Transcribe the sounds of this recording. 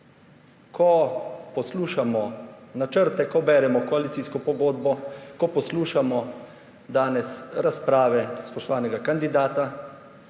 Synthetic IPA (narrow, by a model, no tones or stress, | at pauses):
kʰɔpɔsluːʃamɔnat͡ʃəɾt̪ɛkɔbɛːɾɛmɔkɔalit̪siːskɔpɔɡoːd̪bɔkɔpɔsluːʃamɔ | d̪aːnɛsɾaspɾaːʋɛspɔʃt̪ɔʋaːnɛɡakand̪id̪aːt̪a